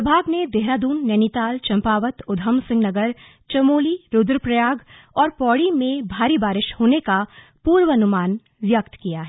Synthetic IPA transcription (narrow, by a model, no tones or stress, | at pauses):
ɐbʱaːɡned̪eɦɾaːd̪uːnːɛnit̪aːlt͡ʃɐ̃mpaːʋət̪ʊd̪ʱəmsɪ̃ŋɡnɐɡəɾ | t͡ʃɐmoːliɾʊd̪ɾəpɾɐjaːɡ | ɔːɾpɔːɽimẽbʱaːɾibaːɾɪʃhoːneka | puːɾʋəɐnʊmaːn | ʋjɐkt̪kijaɦɛː